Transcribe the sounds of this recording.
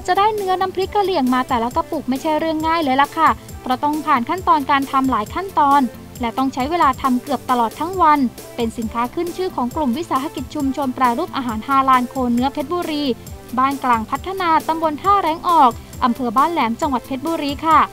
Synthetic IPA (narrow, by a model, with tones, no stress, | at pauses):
t͡ɕa˨˩daː˥˩jnɯ˦˥ɐna˦˥mpʰɾi˦˥kʰːa˧li˨˩əŋmaː˧t̪ɛː˨˩la˦˥ka˧puː˨˩k̚ma˥˩jt͡ɕʰa˥˩jɾɯ˥˩əŋːaː˥˩jlɤː˧jla˨˩kʰa˥˩ | pʰɾɔ˦˥t̪ɔ˥˩ŋpʰaː˨˩nkʰa˥˩nt̪ɔː˧nkaː˧nt̪ʰa˧mlaː˩˦jkʰa˥˩nt̪ɔː˧n | lɛ˦˥t̪ɔ˥˩ŋt͡ɕʰa˦˥jweː˧laː˧t̪ʰa˧mkɯ˨˩əp̚t̪a˧lɔː˨˩t̪ʰːa˦˥ŋwa˧n | pe˧nsi˩˦nkʰaː˦˥kʰɯ˥˩nt͡ɕʰɯː˥˩kʰɔː˩˦ŋklu˨˩mwi˦˥ʔsaː˨˦ɦa˧˥ki˨˩t̪̚t͡ɕʰu˧mt͡ɕʰo˧npɾɛː˧ɾuː˥˩p̚ʔaː˧ɦaː˩˦nhʰaː˧laː˧nkʰoː˧nːɯ˦˥ɐpʰe˦˥t̪̚buː˧ɾiː˧baː˥˩nklaː˧ŋpʰa˦˥t̪ʰːa˧naː˧t̪a˧mbo˧nt̪ʰaː˥˩ɾɛː˦˥ŋʔɔː˨˩k̚ | ʔa˧mpʰɤː˧baː˥˩nlɛː˩˦mt͡ɕa˧ŋwa˨˩t̪̚pʰe˦˥t̪̚buː˧ɾiː˧kʰa˥˩